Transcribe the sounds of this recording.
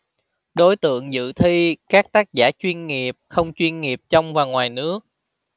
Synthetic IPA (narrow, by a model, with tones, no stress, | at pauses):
ɗo˨˦jt̪ɨ̰˧˨əŋzɨ̰˧˨t̪ʰi˧kaː˦˥k̚t̪aː˦˥k̚zaː˧˩t͡ɕwi˧nŋi˨˩əp̚xə˧wŋ͡mt͡ɕwi˧ənŋi˨˩əp̚t͡ɕɔ˧wŋ͡mvaː˨˩ŋwaː˨˩jnɨ˦˥ək̚